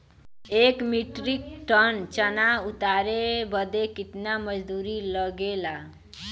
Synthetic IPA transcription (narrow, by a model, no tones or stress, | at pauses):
ekmiʈɾik̚ʈənt͡ʃənaut̪aɾebəd̪ekit̪naməd͡ʒd̪uɾiləɡela